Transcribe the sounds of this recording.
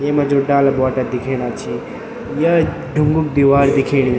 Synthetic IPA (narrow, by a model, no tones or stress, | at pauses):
jemɐd͡ʒoɖaːlɐbaːʈad̪ikʰeɽ̃at͡ʃʰi | jɐ | ɖʱuŋɡuk̚d̪iʋaːɾd̪ikʰeːɽ̃i